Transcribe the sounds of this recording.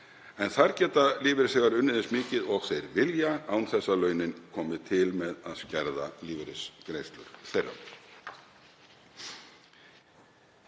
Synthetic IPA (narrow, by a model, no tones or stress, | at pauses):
ɛnθaɾcɛːt̪aliːvɪɾɪsɛːɣaɾʏnːɪðɪnsmɪːcɪðɔɣθejɾvɪljaaːwnθɛsːalœːɥnɪnkʰɔːmɪt̪ʰɪlmɛðaðscɛɾða̰liːvɪɾɪskɾejst̪lʏ̰ɾ̥θejrːa̰m